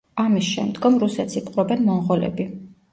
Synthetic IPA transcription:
amisʃɛ̰md̪ɡɔmɾusɛt̪sipʰqʼɾɔbɛnmɔɴʁɔlɛ̰bi

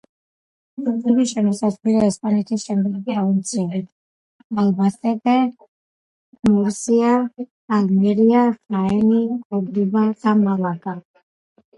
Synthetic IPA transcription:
uɛbiʃɛmɔsasvilɛɛspʼanɛt̪ʰisʃɛmlɔbiaunt̪sʰʼi | alˠbasɛd̪ɛ | mɔɾsiaː | lmɛɾiaɾaɛnikʼɔbɾibad̪̥amalakʼa

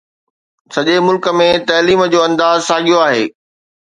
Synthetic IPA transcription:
sɐʄemʊlkə̆mẽt̪ɐːliːməd͡ʑoːɐ̃nd̪aːzsaːɠijoaːɦḛː

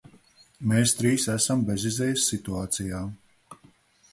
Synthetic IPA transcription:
meːst̪ɾiːsæsambezizɛːjsːit̪uaːt̪sijaː

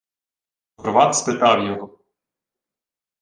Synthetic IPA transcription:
ɔrʋɑt̪spɪt̪ɑwjɔɦɔ

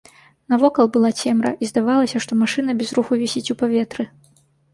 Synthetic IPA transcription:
nɐvɔkɐlˠbɨlˠat͡sʲɛmɾɐ̰ʔizd̪avalˠɐsʲɐʂt̪ɔmaʂɨnɐbʲɛzɾuxuvʲɛsʲit͡sʲupavʲɛt̪ɾɨ

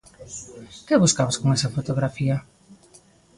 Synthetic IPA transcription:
kɪβuskaβoskoŋɛsafot̪oɣɾafia

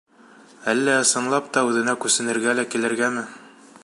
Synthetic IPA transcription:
ælːæɤ̆sɤ̆nlˠɑp̚t̪ɑʉðɘ̆nækʉsɘ̆nɘ̆ɾɡælækilɘ̆ɾɡæmɘ

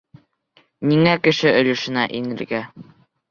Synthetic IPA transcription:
niŋækɘ̆ʃɘɵ̆lɘ̆ʃɘ̆næʔinɘ̆ɾɡæ

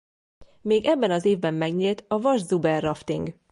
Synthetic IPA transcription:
meːɡɛbːɛnɒzeːvbɛmːɛɡɲiːlt̪ɒvɒʒzubɛrːɒft̪iŋɡ

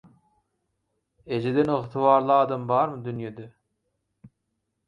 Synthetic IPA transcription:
ed͡ʒed̪enɨʁt̪ʰɨvɑːɾlˠɯɑːd̪ɑmbɑːɾmɨd̪ynjed̪e

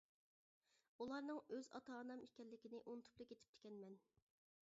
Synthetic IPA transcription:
ulˠɑɾnɨŋøzɑ̰t̪ʰɑːnɑmikʲɛlːɪkʲɪnɪʔunɨt̪ʰu̥plˠɨkʲet̪ʰɪ̥p̚t̪ʰɪ̥kʲɛnmɛn

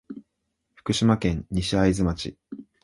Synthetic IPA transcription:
ɸɯ̟̥kɯ̟ɕimakẽ̞ɲ̟ɲiɕiaizɨmat͡ɕḭ

